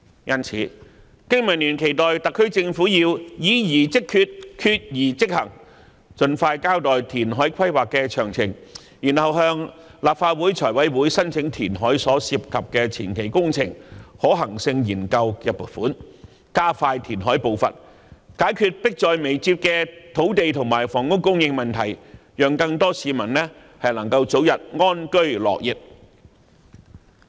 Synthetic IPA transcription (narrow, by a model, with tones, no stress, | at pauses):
jɐ˥nt͡sʰḭː˨˥ | kɪ˥ŋmɐ˨˩nly˨˩nkʰe˨˩jt̪ɔː˨jt̪ɐ˨kʰːɵ˥ɥt͡sɪ˧ŋfuː˨˥jiː˧wjiː˨˥jiː˨˩t͡sɪ˥kʰːyː˧t̚kʰyː˧t̚jiː˨˩t͡sɪ˥k̚hɐ˨˩ŋ | t͡sɵ˧nfaː˧jkaː˥wt̪ɔː˨jt̪ʰiː˨˩nɦɔː˨˥jkʰɐ˥jwaː˨˩kːɛː˧t͡ʃʰœː˨˩ŋt͡sʰɪ˨˩ŋ | jiː˨˩nhɐ˨wɦœː˧ŋ | laː˨p̚faː˧t̚wuː˨˥jt͡sʰɔː˨˩jwɐ˨˥jwuː˨˥jsɐ˥nt͡sʰɪ˨˥ŋt̪ʰiː˨˩nɦɔː˨˥jsɔː˨˥siː˧p̚kʰɐ˨p̚kɛː˧t͡sʰḭː˨˩nkʰe˨˩jkʊ˥ŋt͡sʰɪ˨˩ŋhɔː˨˥ɦɐ˨˩ŋsɪ˧ŋjiː˨˩nkɐ˧wjɐ˨t̚pʊ˨˩fuː˨˥n | kaː˥faː˧jt̪ʰiː˨˩nɦɔː˨˥jpo˨˧wfɐ̰˨t̚ | kaː˨˥jkʰyː˨˧t̚pɪ˥k̚t͡ʃɔː˨jme˨˩jt͡siː˧p̚kɛː˧t̪ʰo˨˥wt̪e˨jt̪ʰʊ˨˩ŋmaː˨˩jfɔː˨˩ŋkʊ˥ŋkʊ˥ŋjɪ˧ŋmɐ˨nt̪ʰɐ˨˩jjœː˨ŋkɐ˧ŋt̪ɔː˥siː˨˧mɐ˨˩nlɛː˥ | hɐ˨jlɐ˨˩ŋkɐ˧wt͡so˨˥wjɐ˨t̚ŋɔː˥nkɵ˥ɥlɔ̰ː˨k̚jɪ˨˩k̚